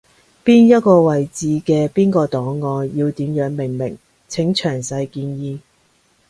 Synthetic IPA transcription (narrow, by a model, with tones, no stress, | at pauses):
piː˥njɐ˥t̚kɔː˧wɐ˨jt͡siː˨˧kɛː˧piː˥nkɔː˧t̪ɔː˨˥ŋːɔː˨˧njiː˧wt̪iː˨˥mjœː˨˥ŋmɪ˨˩ŋmɪ̰˨˩ŋ | t͡sʰɪ˨˥ŋt͡ʃʰœː˨˩ŋsɐ˧jkiː˧njiː˧